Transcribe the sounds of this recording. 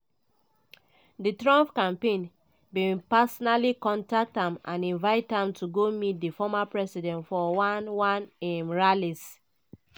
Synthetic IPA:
ditɹɔ̃mpkãmpẽn | bĩpasɔnalikɔ̃ntak̚thãmʔã̰nĩnvaɪthãmtʰuɡomit̚difɔmapɹɛsidɛ̃ntfɔwãnwãnɛmɹalis

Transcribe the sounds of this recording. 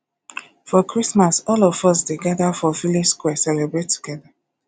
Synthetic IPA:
fɔkʰɹismasɔlɔvɔs̬deɡaðafɔfilipskwɛsɛlebɹetʰːu̥ɡ̥ɛða

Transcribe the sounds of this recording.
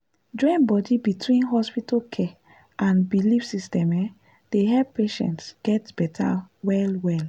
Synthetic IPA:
d͡ʒɔ̃ɪ̃nbɔdibitʰwĩnɦɔspitakʰɛ | ʔãnbilifsistɛ̃mɛ | d̥eɦɛlppeʃɛ̰̃ntsɡ̥ɛtb̥ɛtʰa̰wɛlwɛl

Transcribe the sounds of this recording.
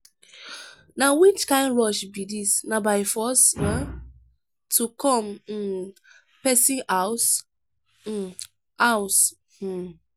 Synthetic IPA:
nawit͡ʃkãɪ̃ndɹɔʃbidisnabaɪfɔsa | tʰukʰɔ̃m̩ | pɛsĩʔaʊs̩ | aʊs̩

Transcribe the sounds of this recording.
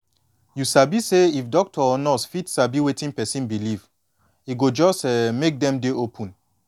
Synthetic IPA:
jusabiseifdɔk̚tʰɔɔnɔsfitsabiwetĩŋpɛsĩnbiliv | iɡod͡ʒɔstɛmek̚dɛ̃mdeopʰũn

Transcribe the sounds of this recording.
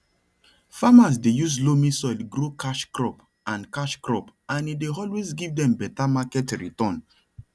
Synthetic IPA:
famas̬dejuslomisɔɪlɡɾokʰaʃkɾɔp | ãnkaʃkɹɔpãnideɔlwesɡivdɛ̃mbɛtamakɛtɹḭtɔ̃n

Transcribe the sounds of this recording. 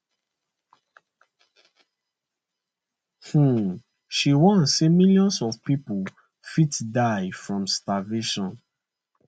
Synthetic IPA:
hũ | ʃiwɔ̃nsemiljɔ̃nsɔfpipo | fitdaɪfɹɔ̃mstaveʃɔ̃n

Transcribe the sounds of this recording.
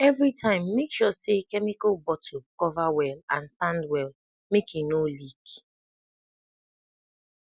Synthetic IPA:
ɛvɹitʰãɪ̃mːekʃɔsekɛmikalbɔtʰokɔvawɛlã̰nsãndwɛl | mekĩnolik

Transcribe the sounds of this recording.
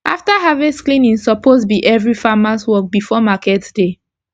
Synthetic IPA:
ʔaftaɦavĩsklĩnĩnsɔpʰozbiʔɛvɹifamaswɔk̚bifɔmakɛtd̥e

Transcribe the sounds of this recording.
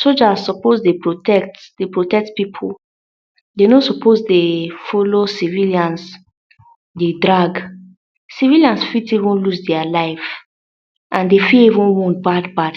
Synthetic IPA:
sod͡ʒazsɔpozdepɹotɛk̚td̥epɹotɛk̚tpipʰul | denosɔpʰozdefɔlosiviljãns | dedɹaɡ | siviliãnsfitivũnlusdɛalaɪf | ʔãndefilivũnwɔ̃nt̚badbad

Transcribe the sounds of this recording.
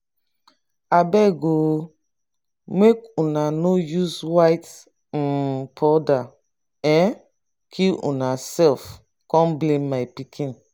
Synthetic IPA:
abɛɡo | mekunanojuzwaɪt̩ | pʰɔda | ɛ̃n | kʰilṵ̃nasɛlf | kɔ̃nblẽmːajpikʰĩn

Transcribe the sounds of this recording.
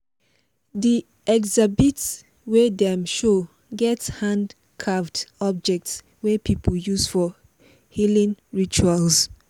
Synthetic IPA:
di | ɛɡzabits | wedɛmʃo | ɡɛthãnd | kʰɹaftɔb̚d͡ʒɛk̚ts | wepʰipʰəljuzfɔ | hilĩnɹit͡ʃuals

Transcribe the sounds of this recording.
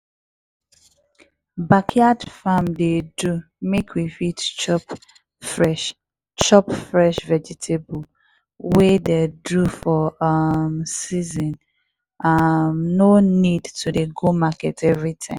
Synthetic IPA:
bakʰiadfamdedu | mekʰwifitt͡ʃɔp | fɹɛʃ | t͡ʃɔpfɹɛʃvɛd͡ʒɛtʰebul | wededɹufɔmsizɔ̃n | amnonidtʰudeɡomakɛtʰɛvɹitʰãɪ̃m

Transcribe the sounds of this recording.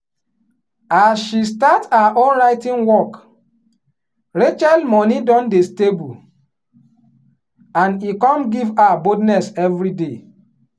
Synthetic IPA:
asʃistataʔɔlɹaɪtĩnwɔk | ɹet͡ʃalmɔnidɔ̃ndestebu | ãnikɔ̃mɡivabodnɛsɛvɹide

